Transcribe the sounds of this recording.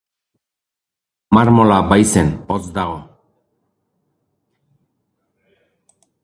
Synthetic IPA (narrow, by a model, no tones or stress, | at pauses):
maɾmolabajsenot͡sd̪aɣo